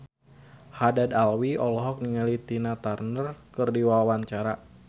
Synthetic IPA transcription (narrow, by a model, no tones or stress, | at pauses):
hadadalwiɔlɔɦɔk̚niŋalit̪inat̪arnərkɨrdiwawaɲt͡ʃaɾa